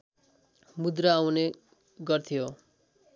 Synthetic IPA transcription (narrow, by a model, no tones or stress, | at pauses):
mud̪rʌawne | ɡʌrt̪ʰijo